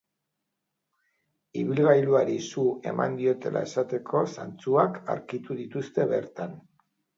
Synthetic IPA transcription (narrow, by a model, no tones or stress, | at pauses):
iβilɣajluaɾisue̞̰ma̰nd̪io̞t̪e̞lʔa̰e̞sat̪e̞kʰo̞sa̰nt͡suaka̰ɾkit̪uðit̪ust̪e̞βe̞̰ɾt̪an